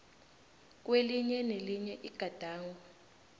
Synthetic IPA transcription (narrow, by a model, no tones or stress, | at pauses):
k̬ʼweliɲɛneliɲɛʔiɡ̥ʱad̥ʱaːŋɔ